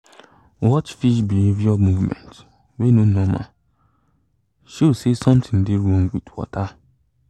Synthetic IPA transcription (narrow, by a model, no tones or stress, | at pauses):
wɔt͡ʃfiʃbievjɔmuvmɛ̰nt | wenonɔma̰ | ʃosesɔ̃mtʰɪŋ̩dɪɾuoŋ̩ɡʷitwɔ̰ta